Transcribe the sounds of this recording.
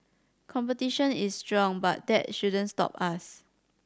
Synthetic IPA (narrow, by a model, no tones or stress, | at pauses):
kʰɔ̃mpətiʃə̃nistɹɔ̃ŋba̰t̚dɛt̚ʃudə̃nstɔ̰pas